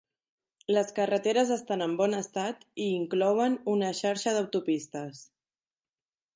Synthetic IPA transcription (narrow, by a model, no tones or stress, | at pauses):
ləskərət̪eɾəzəst̪anəmbɔnəst̪at̪iːŋklɔwənunəʃaɾʃəðəwt̪upist̪əs